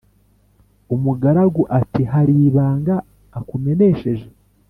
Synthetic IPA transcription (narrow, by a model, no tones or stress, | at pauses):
umuɡaɾaɡuʔatiɦaɾiβaːŋɡaː | kume̞ne̞ʃe̞ʒe̞